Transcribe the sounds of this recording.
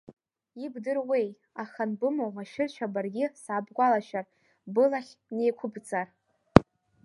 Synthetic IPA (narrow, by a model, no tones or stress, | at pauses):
ibdɨrwej | aχanbɨmowmaʃɪrt͡ʃʷʰabarɡʲɪsaːbɡʷalaʃar | bɨlaχʲne̞jkʷʰʊbd͡zar